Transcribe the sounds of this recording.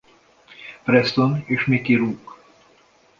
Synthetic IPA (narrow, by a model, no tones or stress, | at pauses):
pɾɛst̪oneːʃmikiɾuːk